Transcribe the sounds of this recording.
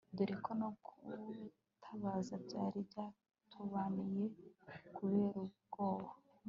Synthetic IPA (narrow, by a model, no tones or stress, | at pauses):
duɾikʰonoku | tʰaβazabɟaːɾibjaː | tʰuβanijekuβe̞ːɾub̚ɡ̥oːβa